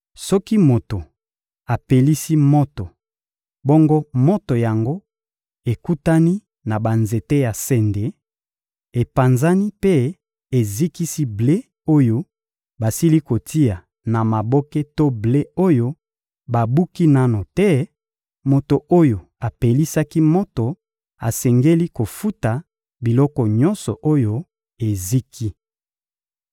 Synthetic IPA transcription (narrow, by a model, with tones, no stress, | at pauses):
sɔ˦ki˦mo˨to˨ | a˨pe˨li˦si˦mo˦to˨ | bo˦ŋɡo˦mo˦to˨ja˨ŋɡo˦ | e˨ku˦ta˦ni˦ | na˨ba˨nze˨te˦ja˨sɛ˨nde˨ | e˨pa˨nza˦ni˦pe˦ | e˨zi˦ki˦si˦ble˦ | o˦jo˦ | ba˨si˦li˦ko˨ti˦ja˨ | na˨ma˨bɔ˦ke˦to˦ble˦o˦jo˦ | ba˨bu˦ki˦na˦no˨tɛ˦ | mo˨to˨ʔo˦jo˨ | a˨pe˨li˦sa˦ki˦mɔ˦to˨ | a˨sɛ˨ŋɡe˦li˦ko˨fu˦ta˨ | bi˨lɔ˦kɔ˨ɲɔ̃˦nsɔ̰˨ʔo˦jo˦ | e˨zi˦kʰi˦